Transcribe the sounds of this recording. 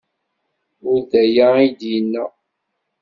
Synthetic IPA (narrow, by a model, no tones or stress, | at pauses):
ʊɾðæjaid̪jinːəʁ